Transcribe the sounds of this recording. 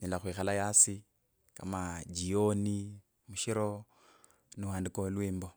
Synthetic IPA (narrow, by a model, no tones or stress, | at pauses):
nilaxwiːxalajasi | ka̰mad͡ʒioni | muʃiɾo̞ | niwaːndikolwiːmbo